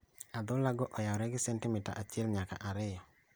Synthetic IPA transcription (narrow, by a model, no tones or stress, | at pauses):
ad̪ʊlaɡɔʔɔjawɾɛɡɪsɛntɪmɪta̰ʔat͡ʃɪɛlɲaka̰ʔaɾɪjɔ